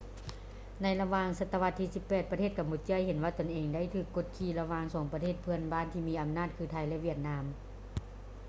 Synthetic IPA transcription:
na˧jla˧waː˧ŋsa˧t̪ːa˧ʋa˧t̪ʰːiː˧si˧pːɛː˧˩t̪̚pa˧t̪ʰeː˥˩ka˧mːu˧˩t̪̚t͡ɕɯ˧˥˨jhe˩˦nwaː˧t̪o˧˩nʔeː˧ŋda˥˩jt̪ʰɯː˧˩kːo˧˥˩t̪̚kʰiː˧˩la˧waː˧ŋsɔː˩˦ŋpɾa˧eː˥˩t̪̚pʰɯ˧ənbaː˧˥˨nt̪ʰiː˧miː˧˩ʔa˧mnaː˥˩t̪̚kʰɯː˧t̪ʰa˧˩jlɛ˧˥˨ʋi˧˥˩ət̪̚naː˧˥m

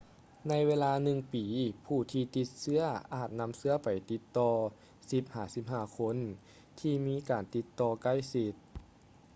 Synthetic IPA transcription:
na˧˥jweː˧˥˧laː˧nɯ˧ŋpiː˨˩pʰuː˧˩t̪ʰiː˧t̪i˧t̪̚sɯ˧˥ɐʔaː˨˩t̪̚na˧˥msɯ˧˥ɐpa˨˩jt̪i˧˦t̪ːɔː˧ | si˧˦p̚haː˧˩si˧˥p̚haː˧˩kʰo˧˥n | t̪ʰiː˧miː˧˥kaː˨˩nt̪i˧˦t̪ːɔː˧ka˧˩jsi˧t̪̚

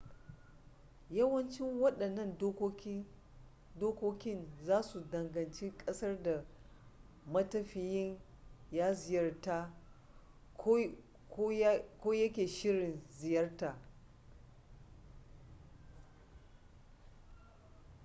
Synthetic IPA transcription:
jɐ˦wɐ˦nt͡ʃɪ˦ŋwɐ˦ɗɐ˨nːɐ˦ndo˦ | doː˦kʷoː˦kʲɪ˦nzaː˦su˨dɐ˨ŋɡɐ˨nt͡ʃe˦kʼɐ˦sɐ˦rda˨ | mɐ˦tɐ˦ɸɪ˨jɪ˦ŋ | jaː˦zɪ˨jɐ˦rtaː˦ | kʷoː˦jɐ˦kʲeː˨ʃɪ˦ɽɪ˨nzɪ˨jɐ˦rta˨

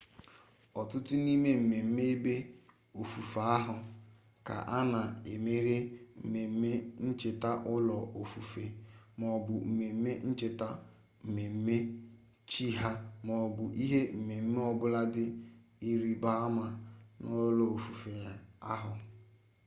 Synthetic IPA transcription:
ɔ˨tʊ˦tʊ˦ni˦me˦m̩˨me˨m̩˦me˦e˦be˦ | o˨fu˨fa˨a˦ɦʊ˨ | ka̰˨ʔa˦na˨e˨me˦ɾe˦m̩˨me˨m̩˦me˦n̩˦t͡ʃɪ˨ta˦ʔʊ˦lɔ˨o˨fu˨fe˨mɔ˨bʊ˨m̩˨me˨m̩˦me˦n̩˦t͡ʃɪ˨ta˦ | m̩˨me˨m̩˦me˦ | t͡ʃi˦ɦa˦mɔ˨bʊ˨ʔi˦ɦe˦m̩˨me˨m̩˦me˦ɔ˦bʊ˦la˦dɪ˦i˦ɾi˦ba˦ma˨no˦lɔ˨o˨fu˨fe˨a˦ɦʊ˨

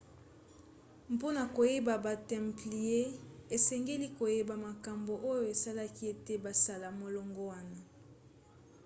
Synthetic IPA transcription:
mpo˦na˨ko˨je˦ba˨ba˨tɛ˨mpli˨e˦e˨sɛ˨ŋɡe˦li˦ko˨je˦ba˨ma˨ka˨mbo˨ʔo˦jo˨e˨sa˦la˦ki˦e˦te˦ba˨sa˨la˨mo˨lɔ˨ŋɡɔ˦wa˦na˨

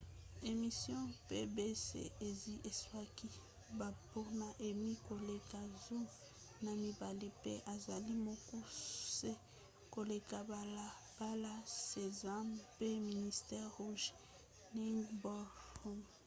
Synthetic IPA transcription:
e˨mi˨sjɔ̃˦pe˦be˦sḛ˨e˨zi˦ʔe˨swa˦ki˦ | ba˨pɔ˦na˨ʔe˨mi˦ko˨le˨ka˨zo˦ | na˨mi˨ba˨li˦pe˦ʔa˨za˨li˦mɔ˦kɔ˦se˦ | ko˨le˨ka˨ba˨la˨ | b̥a˦la˦se˨za˦mpe˦mi˨ni˨stɛ˦ʁʁu˦ʒ | ni˦ŋɡbɔ˦u˦m

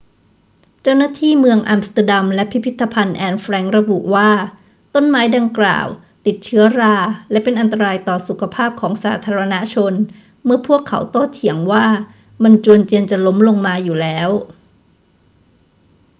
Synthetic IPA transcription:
t͡ɕa˥˩wnaː˥˩t̪ʰiː˥˩mɯ˧əŋʔa˧mst̪a˧da˧mlɛ˦˥pʰi˦˥pʰi˦˥t̪ʰːa˧pʰa˧nʔɛː˧nfɾɛː˧˥ŋɾa˧bṵ˨˩ʔwaː˥˩ | t̪o˥˩nmaː˦˥jda˧ŋkla̰ː˨˩w | t̪i˨˩t̪̚t͡ɕʰɯ˦˥ɐɾaː˧lɛ˦˥ʔpe˧nʔa˧nt̪a˧ɾaː˧jt̪ɔː˨˩su˨˩kʰa˧pʰaː˥˩p̚kʰɔː˩˦ŋsa̰ː˩˦t̪ʰaː˧ɾa˧na˦˥t͡ɕʰo˧n | mɯ˥˩ɐpʰu˥˩əkʰːa̰˩˦wt̪o˥˩t̪ʰːi˩˦əŋwaː˥˩ | ma˧nt͡ɕu˧ənt͡ɕi˧ənt͡ɕa˨˩lo˦˥mlo˧ŋmaː˧juː˨˩lɛː˦˥w

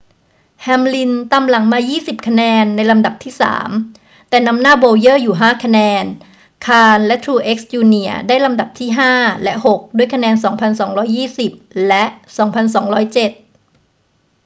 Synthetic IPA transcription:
hɛː˧mli˧nt̪a˧mla˩˦ŋmaː˧jiː˥˩si˨˩p̚kʰa˧nɛː˧nːa˧jla˧mda˨˩p̚t̪ʰiː˥˩sa̰ː˩˦m | t̪ɛː˨˩na˧˥mnaː˥˩boː˧wjɤː˥˩juː˨˩ɦaː˥˩kʰa˧nɛː˧n | kʰaː˧nlɛ˦˥t̪ʰɾuː˧ʔe˦˥k̚st͡ɕuː˧ni˧˩ɐdaː˥˩jla˧mda˨˩p̚t̪ʰiː˥˩ɦaː˥˩lɛ˦˥ʔho˨˩k̚duː˧˩əjkʰnɛː˧nsɔː˩˦ŋpʰa˧nsɔː˩˦ŋɾɔː˦˥jːiː˥˩si˨˩p̚lɛ˦˥ʔsɔː˩˦ŋpʰa˧nsɔː˩˦ŋɾɔː˦˥jt͡ɕe˨˩t̪̚

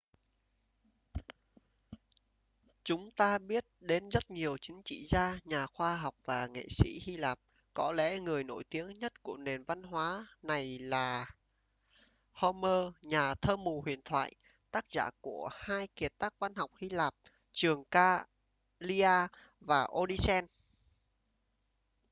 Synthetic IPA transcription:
t͡ɕʊ˨˦ŋ͡mt̪aː˧ɓi˦˥ət̚ɗe˨˦nzə˦˥t̚ɲi˨˩əwt͡ɕï˨˦ŋ̟t͡ɕḭ˧˨zaː˧ɲaː˨˩xwaː˧ɦa˨˩wk͡p̚vaː˨˩ŋḛ˧˨sḭ˧˥hi˧laː˨˩p̚ | kɔ˨˦lɛ̰˧˥ŋɨ˨˩əjno̰˧˩jt̪i˨˦əŋɲə˦˥t̚ku˧˩əne˨˩nva˧nɦwaː˨˦na˨˩jlaː˨˩ | hɔ˧məː˧ɲaː˨˩t̪ʰəː˧mu˨˩hwḭ˧˨ənt̪ʰwa̰ː˧˨j | t̪aː˦˥k̚za̰ː˧˩ku˧˩əhaː˧jki˨˩ət̪aː˦˥k̚va˧nha˨˩wk͡p̚hi˧laː˨˩p̚ | t͡ɕɨ˨˩əŋkaː˧ | li˧ʔaː˧ | vaː˨˩ʔo˧ɗi˧sɛ˧n

